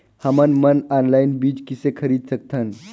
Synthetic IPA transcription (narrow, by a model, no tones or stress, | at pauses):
həmənmənɔnlainbiːd͡ʑkisekʰəɾiːd̪sək̚t̪ʰən